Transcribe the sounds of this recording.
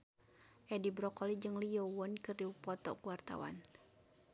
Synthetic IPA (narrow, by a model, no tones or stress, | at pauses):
ʔɛdibɾɔkɔlid͡ʒɨŋlijɔwɔnkɨriupɔt̪ɔ̰kuwart̪a̰wa̰n